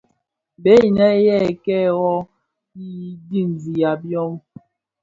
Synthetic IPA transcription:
be˦i˨nɛ˦jɛ˦˨kɛ˦wɔ˦ | i˦di˦˨n˨zi˨ja˨bjɔ˦m

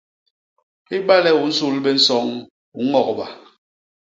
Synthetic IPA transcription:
i˦ɓa˦lɛ˦u˨n̩˦su˦lɓɛ˦n̩˦sɔ˦ŋ | u˨ŋɔ˦˨k̚ɓa˨

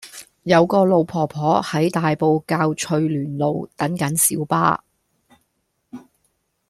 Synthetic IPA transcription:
jɐ˨˧wkɔː˧lo˨˧wpʰɔː˨˩pʰɔː˨˥hɐ˨˥jt̪aː˨jpo˨˧wkaː˧wt͡ʃʰɵ˨˧ɥlyː˨˩nlo˨˧wt̪ɐ˨˥ŋkɐ˨˥nsiː˨˥wpa̰ː˥

